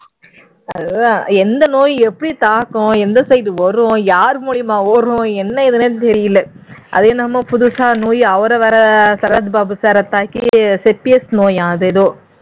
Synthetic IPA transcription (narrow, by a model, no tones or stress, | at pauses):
ɐðɯãːɛnd̪ɐnoːjɛpːɐɽit̪aːkːʊ̃ɛnd̪ɐsɐjd̪ɯʋɔɾõjaːɾmuːɭɪjɐmaːoɾõɛnːɐɪðɐnet̪ɛɾɪjɪlːɐʔɐ̰ðeːnɐmːɐpʊðʊsaːnoːjɐʋɐɾɐʋɐɾɐsɐɾɐt̪baːbɯsɐɾɐt̪ːaːkisɛpːiɛsnoːjãːɐðɯðoː